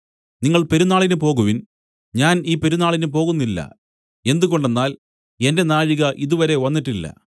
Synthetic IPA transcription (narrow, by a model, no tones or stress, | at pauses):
niŋːɐɭpe̞ɾunaːɭinɨpo̞ːɣuʋin | ɲaːniːpe̞ɾunaːɭinɨpo̞ːɣunːilːɐ̰ | e̞nd̪uɣo̞ɳɖe̞nːaːl | e̞nde̞naːɻiɣɐʔiðuʋɐɾe̞ʋɐnːiʈːilːɐ̰